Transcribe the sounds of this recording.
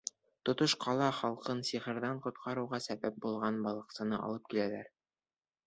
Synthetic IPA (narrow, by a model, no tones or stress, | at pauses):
t̪ŏt̪oʃqʰɑlˠɑχɑlˠqɤnsiχɘ̆ɾðæɴqŏt̪̚qʰɑɾuwʁɑsæbæp̚bulˠʁɑnbɒlˠɤ̆qsɤ̆nɤʔɒ̰lˠɤp̚kilælæɾ